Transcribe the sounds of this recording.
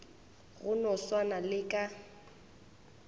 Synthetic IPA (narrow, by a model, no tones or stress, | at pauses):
ɣʊnɔswanalɪkʼa